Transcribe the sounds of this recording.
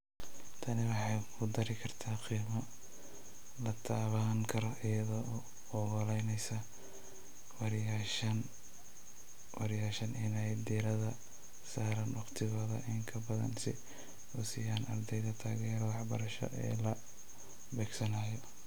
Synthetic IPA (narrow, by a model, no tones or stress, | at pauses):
t̪ʰɐnɪwɑħɑjkʰʊd̪ɐɾɪkʰɐrt̪ʰaːqiːmɐ | lɐt̪ʰaːβaːŋkʰɐɾɔʔɪjɐðɔ | ɔɣɔlɛjnɛjsa | wɑɾjaʃɐn | wɑɾjaːʃɐnɪnɛjd̪iːɾɐðɐ | saːɾɐnwɑqt̪ʰɪɣɔːðɐ̰ʔɪŋkʰɐbɐðɐ̰nsɪ | ʊsɪjaːnɐ̰rd̪ɛjðɐt̪ʰaːɣɛːɾɔwɑħbɐɾɐʃɔ̰ʔɛ̰ːlɐ | bɛːɡsɐnaːjɔ